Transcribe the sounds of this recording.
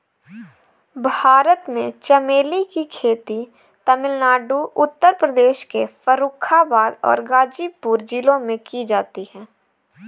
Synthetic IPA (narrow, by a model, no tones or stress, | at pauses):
bʱaːɾət̪mẽt͡ʃəmeːlikikʰeːt̪i | t̪ɐmɪlnaːɖuʊt̪ːəɾpɾəd̪eːʃkefəɾuːkʰabaːd̪ɔ̰ːɾɡaːd͡ʒiːpuːɾd͡ʒiːlõmẽkid͡ʒaːt̪iɦɛ̃ː